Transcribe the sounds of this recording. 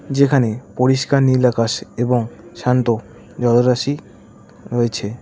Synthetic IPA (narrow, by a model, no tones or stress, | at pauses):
d͡ʑekʰanepoɾiʃkaɾnilakaʃeboŋʃant̪o | d͡ʑɔloɾaʃi | ɾoet͡ɕʰe